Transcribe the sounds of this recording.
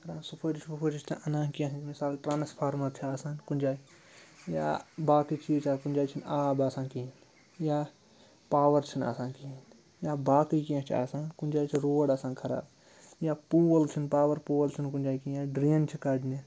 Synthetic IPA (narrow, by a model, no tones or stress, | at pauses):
kɾãːnsupʰoːd͡ʒit͡ʃʰpupʰoːd͡ʒit͡ʃʰt̪ã̰ʔɐnãːkiãɦinmisaːlʈɾaːnspʰaːɾmɐɾt͡ʃʰiaːsãːnkunʲd͡ʒaːi | ja̰ːbaːkit͡ʃʰiːt͡ʃʰaːkunʲd͡ʒaːjt͡ʃʰinaːbaːsãːnkin | jaː | paːʋɐɾt͡ʃʰina̰ːsãːnkin | jaːbaːkikiãt͡ʃʰa̰ːsãːnkunʲd͡ʒaːjt͡ʃʰiɾoːɽaːsãːnkʰɐɾa̰ːb | jaːpuːɐlt͡ʃʰinpaːʋɐɾpuːwəlt͡ʃʰinkunʲd͡ʒaːjkĩjaːɖɾiːnt͡ʃʰikɐdni